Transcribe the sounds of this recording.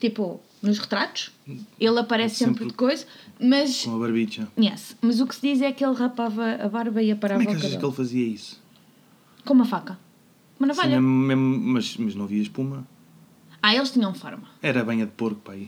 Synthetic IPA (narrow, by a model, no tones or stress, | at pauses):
t̪ipu | nuʃʁɨt̪ɾat̪u̥ʃelˠɐpɐɾɛssːẽmpɾɾkojzɐmɐʃomɐβɐɾβit͡ʃɐɛsmɐzuksɨðizɛkelˠʁɐpavɐɐβaɾβɐiɐpɐɾamvɐkɛaʃɐʃkelˠfɐziɐisu̥ | komuɐfakɐ | komɐnɐvaʎɐmmemumɐʃmɐʒnɐ̃w̃viɐʃpumɐ | aelˠʃt̪iɲɐ̃w̃fɔ̰ɾmɐɛɾɐβɐ̃j̃ɐðpoɾɣupɾai